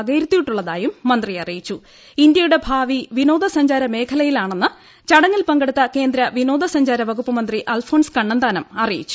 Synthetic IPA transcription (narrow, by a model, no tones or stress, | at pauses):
ɣejɾut̪ːijiʈːuɭːɐðaːjumːɐnd̪rijɐrijit͡ɕːu | ind̪jɐjuɽe̞bʱaːʋiʋino̞ːd̪ɐsɐɲd͡ʑaːɾɐme̞ːkʰɐlɐjilaːɳe̞nːɨ | t͡ɕɐɽɐŋːilpɐŋɡɐɽut̪ːɐke̞ːnd̪ɾɐʋino̞ːd̪ʱɐsɐɲd͡ʑaːɾɐʋɐɣupːɐmɐnd̪riʔɐːlfo̞ːɳskɐɳːɐnd̪aːnɐmɐrijḭt͡ɕːu̥